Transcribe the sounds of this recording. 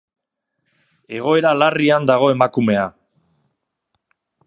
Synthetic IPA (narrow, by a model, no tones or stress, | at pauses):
e̞ɣ̞o̞e̞ɾalariand̪aɣ̞o̞e̞makume̞a